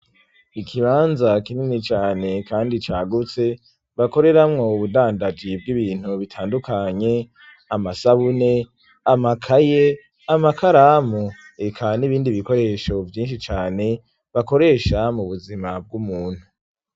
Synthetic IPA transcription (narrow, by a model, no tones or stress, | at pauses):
ikʰiβaːnzakininit͡ʃaːne̞kaːndit͡ʃaːɡut͡se̞ | βako̞ɾe̞ɾamŋo̞uβudaːndad͡ʒib̚ɡiβiːn̥huβitʰaːndukʰaɲe̞ | amasaβune̞ | amakʰaje | amakaɾamu | ekʰaniβiːndiβiko̞ɾe̞ʃo̞vjiːnʃit͡ʃaːne̞ | βako̞ɾe̞ːʃamuβuzimab̚ɡumuːn̥hu